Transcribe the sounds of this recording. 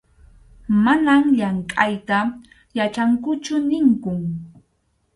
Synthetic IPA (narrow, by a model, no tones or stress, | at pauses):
manamʎaŋkʼajt̪a | jat͡ʃaŋkʊt͡ʃʊnɪŋkʊŋ